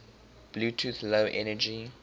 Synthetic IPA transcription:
b̥luːtʰuθloʊʔɛ̰nəd͡ʒi

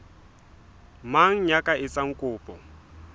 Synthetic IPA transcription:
maŋ̩ɲakʼaɪt͡sʼaŋ̩kʼʊːpʼɔ

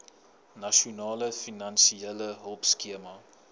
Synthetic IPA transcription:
nɐʃonɑːləfinɐnsieləɦəlˠpskiəmɐ

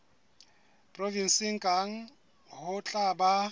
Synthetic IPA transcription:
pʼrɔvin̩sɪŋ̩kʼaŋ̩ | hʊt͡ɬʼaba

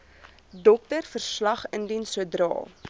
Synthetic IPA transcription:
dɔk̚tərfərslɐχəndinsudrɑ̰ː

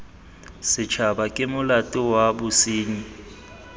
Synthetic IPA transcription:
sɪt͡ʃʰabakʼɪmʊlatʼʊwabʊsiːɲi

